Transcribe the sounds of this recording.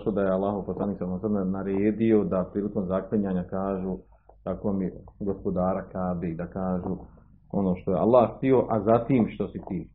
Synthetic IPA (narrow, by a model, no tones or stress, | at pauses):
ʃlod̪ajealːaːɦouposlˠaniːksalːasamnnaɾeːd̪io̞d̪apɾiːliko̞mzaklˠeɲaːɲakaːʒuː | t̪akomiɡo̞spo̞d̪aːɾakaːb̪eid̪akaːʒuː | o̞noːʃt̪ojea̰lˠːaːht̪io̞ʔazat̪iːmʃt̪o̞sit̪iː